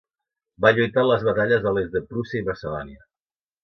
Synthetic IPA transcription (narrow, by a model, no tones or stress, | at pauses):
baʎujt̪aləzβat̪aʎəzðəlezðəpɾusiəiβəsəðɔniə